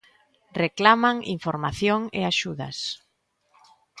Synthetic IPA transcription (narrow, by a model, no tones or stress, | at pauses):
reklamaŋiɱfoɾmaθjoŋḛaʃuða̰s